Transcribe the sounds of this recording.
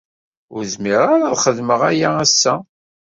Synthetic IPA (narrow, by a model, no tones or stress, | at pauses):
ʊɾðmiʁaɾaðχəðməʁæjaæsːæ